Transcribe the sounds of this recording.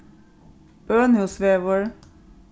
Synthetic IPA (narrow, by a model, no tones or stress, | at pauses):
b̥øːnʉsʋeːʋəɹ